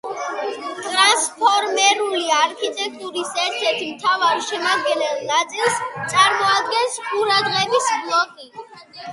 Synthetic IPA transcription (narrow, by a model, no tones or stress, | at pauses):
t̪ʼɾanspʰɔɾmɛɾuliaɾkʰit̪ʼɛk̚ʰt̪ʼuɾisɛɾt̪ʰɛɾt̪ʰimt̪ʰavaɾʃɛmad̪̚ɡɛnɛlˠnat̪sʼilˠst̪sʼaɾmɔad̪̚ɡɛnsqʼuɾad̪ʁɛbisblˠɔkʼi